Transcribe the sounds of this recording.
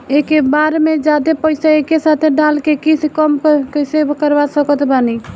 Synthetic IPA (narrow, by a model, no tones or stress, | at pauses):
ekebaɾmed͡ʒad̪epəɪsaekesat̪ʰeɖalkekisekəmkkəjsekəɾbasəkət̪bani